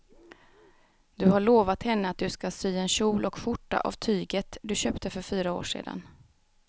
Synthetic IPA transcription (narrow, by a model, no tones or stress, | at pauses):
d̪ɵɦaɭoːvat̪hɛnːəat̪̚d̪ɵskasyːɛnɕuːlʔɔkfʊʈːa̰ʔa̰vt̪ʰyːɡət̪d̪ɵɕøːpt̪əfœɾfyːɾao̰ːʂḛːd̪a̰n